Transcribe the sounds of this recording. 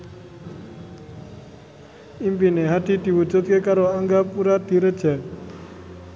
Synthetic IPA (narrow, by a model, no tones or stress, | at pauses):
impineɦaʈid̪iwud͡ʒut̪̚kekaɾoaŋɡapuɾad̪iɾəd͡ʒɛ